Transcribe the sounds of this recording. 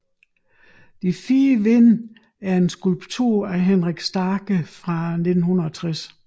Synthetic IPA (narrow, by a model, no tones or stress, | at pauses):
d̥ifiːəʋe̝n̰ | æɐe̝nsɡ̥ulb̥t͡sʰuɐ̰æɦenʁaɡ̥sd̥ɑːɡ̥əfʁɑ̈ne̝d̥n̩hunɐɒt͡sʰʁas